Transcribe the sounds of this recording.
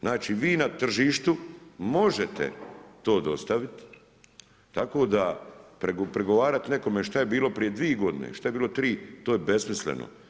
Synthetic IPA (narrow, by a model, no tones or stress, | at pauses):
znaːt͡ʃiʋiːnat̪r̩ʒiːʃt̪umo̞ʒet̪ḛt̪o̞ːd̪o̞st̪aʋit̪ | t̪ako̞ːd̪apɾeɡpɾeɡo̞ʋaːɾat̪ne̞ko̞meʃt̪ajebiːlo̞pɾije̞d̪ʋieɡo̞d̪inḛʃt̪ajebiːlˠo̞t̪ɾiːt̪oːjebe̞smislḛno̰